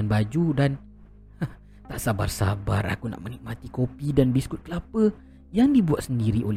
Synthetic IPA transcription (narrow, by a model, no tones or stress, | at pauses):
anbad͡ʒudan | t̪aʔsaba̰rsa̰bara̰kuna̰ʔmənik̚mat̪ikopidanbiskʊt̪̚kəlapə | jaŋdibuat̪̚səndiɾiʔol